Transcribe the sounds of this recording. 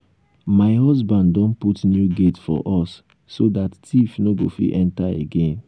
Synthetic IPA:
maɪɦɔzbãnddɔ̃nputnjuɡetfɔ̰ʔɔsː | odattifnoɡofḭʔɛ̃ntaḛɡẽn

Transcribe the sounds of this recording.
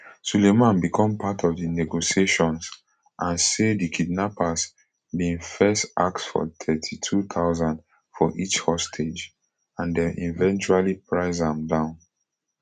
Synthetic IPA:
sulemãnbikʰɔ̃mpʰatʰɔvdinɛɡosieʃɔ̃ns | ʔãnsedikʰid̚napas | bĩŋfɛstaksfɔ̰tʰɛtʰitʰut̪ʰaʊzãnd | fɔʔit͡ʃhɔstʰed͡ʒ | ãndɛʔivɛ̃nt͡ʃualipʰɹaɪzãmdãʊ̃n

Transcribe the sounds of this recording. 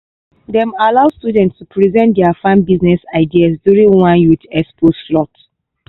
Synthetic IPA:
dɛ̃malaʊstudɛ̃ntstupʰɹizɛ̃ntdɛafãnbiznɛsaɪdiasdjuɹĩŋwãnjutɛspʰosflɔt

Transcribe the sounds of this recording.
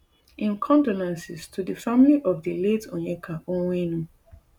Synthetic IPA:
ĩnkʰɔ̃ndonãnsɪstʰudəfamiliʔɔvdəletɔ̰̃ɛkʰaʔõwenũ

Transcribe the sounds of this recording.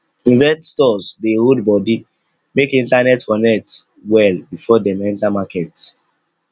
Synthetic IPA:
ĩnvɛststɔsdehodbɔdi | mekĩntanɛtkɔnɛk̚t | wɛlbifɔdɛmɛ̃ntamakɛt

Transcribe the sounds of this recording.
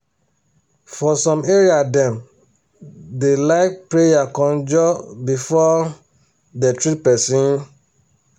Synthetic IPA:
fɔsɔ̃meɹiadɛ̃m | delaɪkpɹejakɔ̃nd͡ʒɔbifɔ | dɛtɹit̚pɛsĩn

